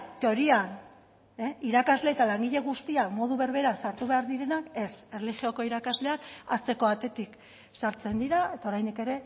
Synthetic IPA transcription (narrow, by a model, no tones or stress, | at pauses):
t̪eo̞ɾian | eiɾakazle̞ːt̪alaŋɡiʎe̞ɣust̪iamo̞ðuβe̞ɾβ̞e̞ɾasaɾt̪uβeaɾðiɾe̞nake̞serelixio̞ko̞iɾakazle̞anat͡se̞ko̞at̪e̞t̪ik | saɾt͡se̞nd̪iɾae̞t̪aoɾajnd̪ike̞ɾe̞